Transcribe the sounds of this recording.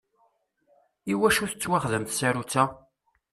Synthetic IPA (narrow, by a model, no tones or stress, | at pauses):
iwæʃuθət͡sːwaχðəmθsæɾut͡sːæ